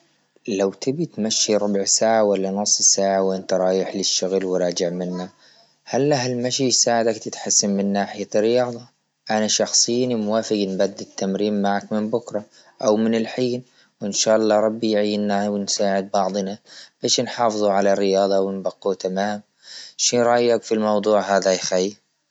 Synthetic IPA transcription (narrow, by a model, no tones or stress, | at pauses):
lawt̪ʰɪbit̪maʃːiɾˤʊbʕsaːʕawalːanʊsˤːsaːʕawʔɪnt̪aɾˤɑːjɪħlɪʃːʊɣlwɾˤɑːd͡ʒɪʕmɪnːa | halːaɦalmaʃijsaːʕɪd̪akt̪ɪt̪ħasːanmɪnːaːħɪjarːɪjɑːd̪ˤɑ | ʔanaʃɑxsˤɨjːnimʊwaːfɪɡnbad̪ːɪt̪ːamɾiːmmaʕakmɪnbʊkɾˤɑ | ʔawmɪnɪlħiːn | wɪnʃaːʔɑlˤːɑːɾˤɑbːijʕiːawɪnsaːʕɪd̪̚bɑʕd̪ˤnab̥aːʃnħɑːfɨðˤuʕalarːɪjɑːðˤɑwɪnbaqːut̪amaːm | ʃiɾˤɑːjakfilmɑwd̪ˤuːʕɦaːðajxajː